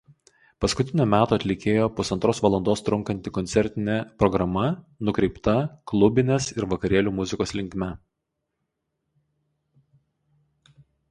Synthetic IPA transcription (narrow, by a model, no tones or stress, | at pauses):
pɐskʊt̪ʲɪnʲuːmʲæːt̪oːɐt̪ʲlʲɪkʲeːjoːpʊsɐnt̪ɾoːsʋɐlˠɐnd̪oːst̪ɾʊŋkɐnʲt̪ʲɪkɔnʲt̪sʲɛɾʲt̪ʲɪnʲepɾɔɡɾɐmɐ | nʊkɾʲɛɪpt̪ɐklˠʊbʲɪnʲesɪɾʋɐkɐɾʲiɛlʲuːmʊzʲɪkoːslʲɪŋʲkmʲɛ